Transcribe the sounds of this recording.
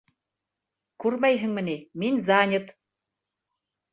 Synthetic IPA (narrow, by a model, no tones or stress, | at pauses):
kʉɾmæjɦɘ̆ŋmɘ̆niminzɑnʲɤ̆t̪